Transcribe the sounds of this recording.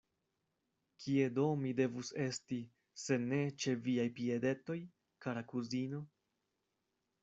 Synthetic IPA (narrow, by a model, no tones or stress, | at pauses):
kʰie̞do̞mide̞vuse̞sti | se̞ne̞t͡ʃe̞viajpie̞de̞to̞j | kaɾakuzino̞